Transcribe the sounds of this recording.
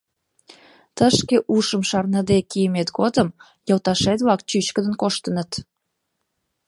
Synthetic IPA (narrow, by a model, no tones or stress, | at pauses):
t̪əʃkeʔuʃəmʃɑrnəd̪ekijəmet̪ɡod̪əm | jɑwt̪ɑʃet̪βɑk̚t͡ɕyt͡ɕkəd̪ənkoʃt̪ənət̪